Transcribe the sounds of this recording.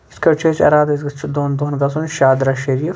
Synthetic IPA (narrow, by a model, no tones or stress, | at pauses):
skɐɾt͡ʃʰɐsʲɐ̰ɾaːd̪ɐs̬ɡɐt͡ʃʰid̪oːnd̪oːnɡɐsunʃaːd̪ɾaʃɐɾiːɾ